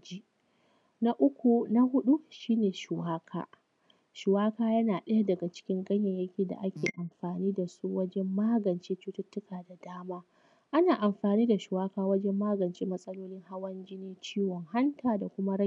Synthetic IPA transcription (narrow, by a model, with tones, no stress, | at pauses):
d͡ʒi˦ | na˦ʔʊ˦kʷu˨na˦ɦʊ˦ɗu˦ʃiː˦neː˨ʃʊ˨waː˦kʰa̰ː˦ | ʃʊ˨waː˦kaː˦jɐ˦naː˨ɗɐ˦ja˦dɐ˨ɡa˨t͡ʃɪ̥˦kʲɪ˦ŋɡɐ˦ɲjɐ˨ɲjɐ˦kʲiː˨da̰˨ʔa˦kʲeː˨ʔa˨mɸaː˨niː˦da˨su˦wɐ˦d͡ʒɛ˦mːaː˦ɡɐ˨nt͡ʃeː˦t͡ʃu˦tʊ˦tːʊ˦kaː˨da˨daː˦maː˦ | ʔa˦naː˨ʔa˨mɸaː˨niː˦da˨ʃʊ˨waː˦kaː˦wɐ˦d͡ʒɛ˦mːaː˦ɡɐ˨nt͡ʃeː˦mɐ˦sʼɐ˦loː˦lɪ˦ŋha˦wɐ˦nd͡ʒɪ˦neː˦t͡ʃiː˦wɔ˨ŋɦa˦ntʰaː˨da˨kʷʊ˦ma˦ɽ